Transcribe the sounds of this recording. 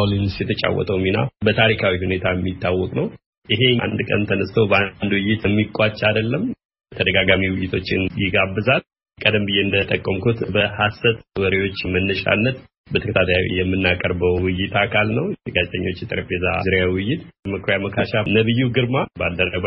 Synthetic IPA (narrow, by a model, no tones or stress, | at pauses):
wlinsjɛt̪ʰət͡ʃʼa̰wːɔ̰t̪ʼəwmina̰bət̪ʰaɾikʰawihune̞t̪ʰajɛmːit̪ʰːawːɔkʼnəw | ʔɪɦe̞a̰nd̪kʼə̰nt̪ʰənəst̪ʰowbəand̪wɪjːɪt̪ɛmːikʼat͡ʃʼːad̪əlːəm | t̪ʰəd̪əɡaɡamiwɪjɪt̪ʰo̞t͡ʃːɪnjɪɡabːɨzal | kʼəd̪əmbɨjːeɨnd̪ət̪ʼəkʼːəmkʰut̪bəhasːət̪wəɾewo̞t͡ʃːmənːəʃa̰nːət̪ | bət̪ʰəkət̪ʰat̪ʰajawḭjɛmːɨnːakʼəɾbəwwɪjːɪt̪akʰalnəwɡazt̪ʰəɲːo̞t͡ʃːjɛt̪ʼɨɾfeza̰zɨɾjawɪjːɪt̪məkʰɾjaməkʰaʃanəβɨjːuɡɨɾmabad̪ːərəb